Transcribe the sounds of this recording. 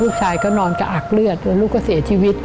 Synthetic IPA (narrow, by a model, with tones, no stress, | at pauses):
u˦˥ək̚t͡ɕʰaː˧jkɔː˦˥˩nɔː˧nkaː˧˩ʔa˨˩lɯ˧˩ət̪̚ːlu˦˥k̚ːɔː˥si˨˦ət͡ɕi˧˩wi˦˥t̚